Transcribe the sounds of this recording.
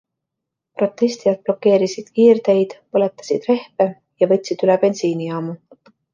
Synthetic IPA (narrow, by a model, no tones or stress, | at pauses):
pro̞t̪ːˑe̞st̪ijɑt̪̚plo̞kːe̞ːɾisid̪̥kiːrd̪̥e̞jd̪̥pɤlet̪ːˑɑ̥sid̪̥re̞hpe | jɑvɤt̪ʲːˑsid̪̥ylɛb̥e̞nsiːnijɑːmu